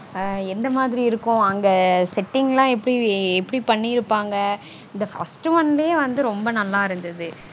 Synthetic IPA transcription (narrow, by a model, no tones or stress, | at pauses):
ɛnd̪ɐmaːðɪɾiɪɾɯkːʊ̃ɐŋɡɐsɛʈːɪŋɡlãːɛpːɐɽiɛpːɐɽipɐɳːiɪɾɯpːaːŋɡɐ | ɪnd̪ɐfɐ̰sʈʋɐnlɐjeʋɐnd̪ɯɾɔmbɐnɐlːaːɪɾɯnd̪ɐðɯ